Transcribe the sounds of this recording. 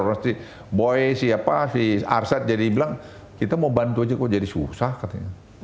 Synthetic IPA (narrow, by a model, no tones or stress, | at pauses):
nast̪i | boɛsiapasia̰rsat̪̚d͡ʒadibilaŋ | kit̪amaubant̪uad͡ʒakud͡ʒadisusahkat̪aɲa